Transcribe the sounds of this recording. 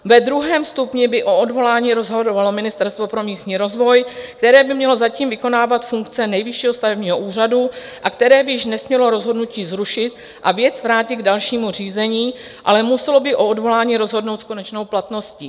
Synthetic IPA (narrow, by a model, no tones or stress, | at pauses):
vɛd̪ɾuɦɛːmst̪upɲɛbɪʔo̞odvo̞laːɲiːɾo̞zɦodovalo̞mɪnɪst̪ɛɾst̪vo̞pɾo̞miːst̪ɲiːɾo̞zvo̞jkt̪ɛɾɛːbɪmɲɛlo̞zaciːmvɪko̞naːvat̪fuŋkt͡sɛnɛjvɪʃiːɦo̞st̪avɛbɲiːɦo̞ʔuːr̝adu | ʔakt̪ɛɾɛːbɪjɪʃnɛsmɲɛlo̞ɾo̞zɦo̞dnuciːzɾuʃɪt̪ | ʔavjɛt͡svɾaːcɪɡdalʃiːmur̝iːzɛɲiː | ʔalɛmusɛlo̞bɪʔo̞odvo̞laːɲiːɾo̞zɦo̞dnowt̪sko̞nɛt͡ʃno̞wplat̪no̞sciː